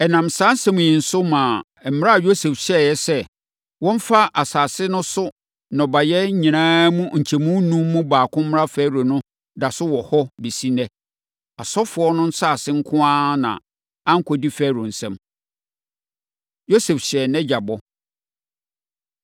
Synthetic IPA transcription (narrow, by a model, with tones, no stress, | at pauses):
ɛ˨nã˨msãː˦n̩˦sɛ̃˦m˨jĩ˨n̩˨sʊ˦mã˨ | m̩˨m˦ɾa˦a˨jo˦se˨fɕɛ˦˨jɛ˦sɛ˦ | wɔ̃˦ɱ˦fa˦ʔa˨saː˨sɪ˦nʊ̃˦sʊ˦ | nɔ̃˨ba˨jɛ˦ɲĩ˨nãː˦mũ˦ɲ̩˨t͡ɕʰɛ˨mũ˦nũ˦mː˦ũ˦baː˨kʰʊ̃˦m˦m˦ɾa˦fæː˦ɾo˨nʊ̃˦ | da˨sʊ˦wɔ˨hɔ˦bi˨si˦nɛ̃˦ | a˨sɔ˦fʊ˨ɔ˦nʊ̃˦n̩˦saː˦˨sɪ̃˦ŋ̩˦kʰʊ̃˦ã˦nã̰˨ | ã˦ŋ̩˦kʰɔ˨di˦fæ˦ɾʊ˨n̩˨sɛ̃˦m | jo˦sɛ˨fɕɛ˨nɛ̃˦d͡ʑa˨bɔ˦